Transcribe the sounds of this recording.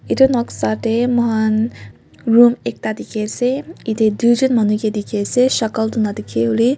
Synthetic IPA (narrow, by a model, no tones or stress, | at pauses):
it̪unɔksaʈemɔɦan | ɾumek̚t̪ad̪ikʰeseit̪ed̪ud͡ʒunmʌnuked̪ikʰeseʃʌkəld̪unad̪ikʰeuli